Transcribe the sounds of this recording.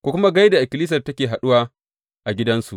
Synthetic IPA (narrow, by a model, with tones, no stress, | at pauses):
kʷoː˦kʷʊ˦ma˦ɡa˦jda˨ʔɪ˨kʲɪ˨liː˦s̬ɐ˨rtɐ˦kʲeː˨ɦa˨ɗʊ˦waː˦ | ʔa˨ɡʲɪ˦dɐ˦nsu˨ʔ